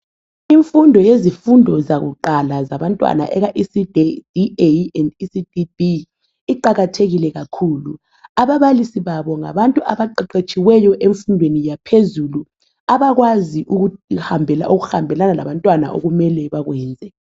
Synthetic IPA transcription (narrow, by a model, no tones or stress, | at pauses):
iɱfundʱɔjezifundʱɔzaɣṵǃalazaβantʼwa̰na̰ʔɛɣaʔisidd̥ieɛndisididi | iǃaɣatʰeɣilɛɣakʰuːlṵ | aβaβalisiβaβɔŋa̰βantʼuʔaβaǃɛǃet͡ʃʼiwɛjɔʔeɱfundʱwenijapʰezulu | aβaɣwaziʔuɣuhambʱɛlaoɣuhambʱɛlanala̰βantʼwana̰ʔo̰ɣumɛlɛβaɣwɛːnd͡zʱɛ